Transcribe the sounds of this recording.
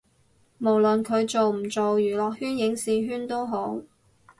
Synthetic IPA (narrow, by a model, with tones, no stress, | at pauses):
mo˨˩wlɵ˨nkʰɵ˨˧ɥt͡ʃo˨wm̩˨˩t͡so˨wjyː˨˩lɔː˨k̚hyː˥njɪ˨˥ŋsiː˨˧ɦyː˥nt̪o˥wɦo˨˥w